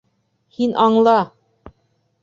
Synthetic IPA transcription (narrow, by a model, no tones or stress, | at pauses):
hinʔɑɴlˠɑ